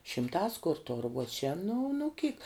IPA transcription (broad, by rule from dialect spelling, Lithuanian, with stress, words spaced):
ʃʲɪmˈtɑːs kʊr toːr uɔ t͡ʃʲɛ nʊ nʊ kʲiːk